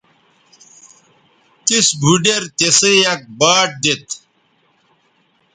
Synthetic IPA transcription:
t̪isbʱuɖeɾt̪esejɐk̚baːʈ̚d̪et̪

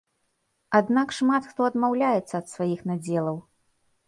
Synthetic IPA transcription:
ad̪nakʂmat̪xt̪ɔɐd̪mawlʲajɛt̪sːɐːt̪svajixnad͡zʲɛlˠɐw

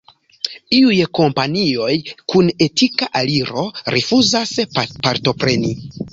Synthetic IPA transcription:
iujko̞mpanio̞jkune̞tikaʔaliɾo̞ɾefuzaspaɾto̞pɾe̞ni

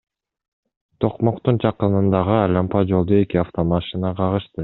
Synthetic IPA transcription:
t̪ʰo̞qmo̞qt̪und͡ʒɑqɯnɯnd̪ɑʁɯɑlʲɑmpɑd͡ʒo̞lˠd̪oe̞kiaft̪o̞mɑʃinɑqʰɑʁɯʃt̪ɯ

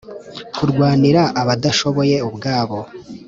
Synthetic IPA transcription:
kuɾɡwaːniɾaʔaβadaʃo̞βo̞je̞ubɡaːβo̞

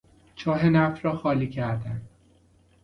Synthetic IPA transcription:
t͡ʃʰɒːɦenæfɾɒːxɒːliːcʰæɾd̪ænd̪̥

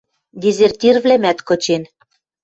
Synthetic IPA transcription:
d̪ʲizert̪ʲirvlæmæt̪kot͡ɕen

